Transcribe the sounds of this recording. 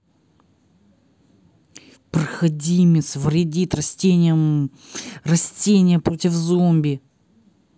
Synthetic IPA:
pɾəxɐdʲimʲɪsvɾʲɪdʲit̪ɾɐsʲtʲenʲɪjəm | rɐsʲtʲenʲɪjəpɾotʲɪfzombʲɪ

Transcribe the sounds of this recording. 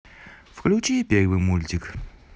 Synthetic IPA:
fklʲut͡ɕipʲervɨmulʲt̪ʲɪk

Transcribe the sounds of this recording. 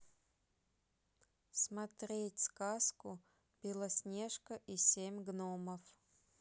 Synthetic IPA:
smɐt̪ɾʲetʲskaskʊ | bʲilˠəsʲnʲeʂkəʔisʲemʲɡnoməf

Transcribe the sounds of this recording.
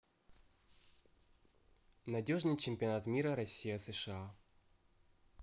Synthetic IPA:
nɐdʲo̞ʐnɨjt͡ɕɪmʲpʲɪɐnat̪mʲiɾəɾɐsʲːijəsɨʂɨa

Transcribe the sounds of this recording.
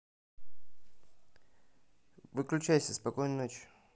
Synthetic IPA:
vɨklʲʉt͡ɕæjsʲəspɐkojnnot͡ɕ

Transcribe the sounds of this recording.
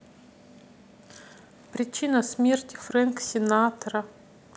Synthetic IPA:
pɾʲɪt͡ɕinəsmʲertʲɪ̥fɾanksʲɪnat̪əɾə

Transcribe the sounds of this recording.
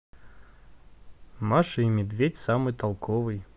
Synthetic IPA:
maʂɨimʲɪd̪vʲetʲsamɨjt̪alˠkʰovɨj

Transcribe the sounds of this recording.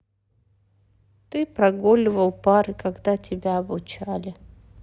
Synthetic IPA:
t̪ɨpɾɐɡolʲɪvəlˠpaɾɨkɐɡd̪atʲɪbʲaɐbʊt͡ɕalʲɪ

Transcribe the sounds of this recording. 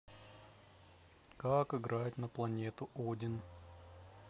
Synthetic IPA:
kakɨɡɾʔaɪtʲnəplˠɐnʲet̪ʊʔodʲɪn

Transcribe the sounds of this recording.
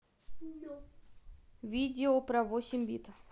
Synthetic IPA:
vʲidʲɪopɾɐvosʲɪmʲbʲit̪

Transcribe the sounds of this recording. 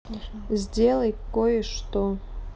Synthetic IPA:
zʲdʲelˠəjkːojəʂt̪o

